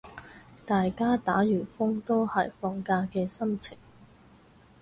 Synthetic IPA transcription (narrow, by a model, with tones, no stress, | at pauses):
t̪aː˨jkaː˥t̪aː˨˥jyː˨˩nfʊ˥ŋt̪o˥whɐ˨jfɔː˧ŋkaː˧kɛː˧sɐ˥mt͡sʰɪ˨˩ŋ